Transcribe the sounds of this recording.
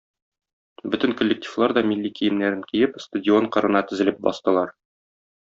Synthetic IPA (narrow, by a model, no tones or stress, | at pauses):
bɵt̪ɘ̆ŋkŏlʲːek̚tʲʰi̥vlˠɑɾd̪ɒmilʲːikijɘ̆mnæɾɘŋkijɘpst̪ɐdʲɪo̞ɴqɤ̆ɾɤ̆nɑt̪ɵ̆zɘ̆lɘp̚bɒ̰st̪ɤ̆lˠɑɾ